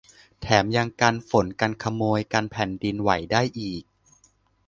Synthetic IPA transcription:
t̪ʰɛː˩˦mja˧ŋkaː˧nfo˩˦nka˧nkʰa˧moː˧jkaː˧npʰɛː˨˩˦ndi˧nwa˩˦jdaː˥˩jʔiː˨˩k̚

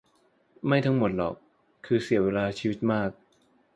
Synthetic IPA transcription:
ma˥˩jt̪ʰa˦˥ŋmo˨˩˦t̪̚lɔ̰ː˨˩k̚ʰː | ɯː˧si˨˩˦əweː˧laː˧t͡ɕʰiː˧wi˦˥t̪̚maː˥˩k̚

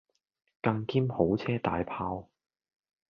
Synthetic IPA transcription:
kɐ˧ŋkiː˥mho˨˥wt͡sʰɛː˥t̪a̰ː˨˥jpʰaː˧w

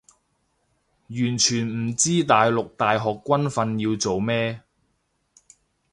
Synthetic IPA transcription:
jyː˨˩nt͡ʃʰyː˨˩nm̩˨˩t͡siː˥t̪aː˨jlʊ˨k̚t̪aː˨jɦɔː˨kːʷwɐ˥nfɐ˧njiː˧wt͡so˨wmɛː˥

